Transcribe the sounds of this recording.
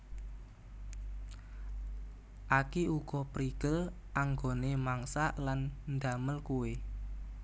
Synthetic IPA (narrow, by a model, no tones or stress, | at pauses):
ʔakiuɡ̥ɔpɾiɡ̥əl | ʔaŋɡonemaŋsaʔlannd̪a̤məlkuwe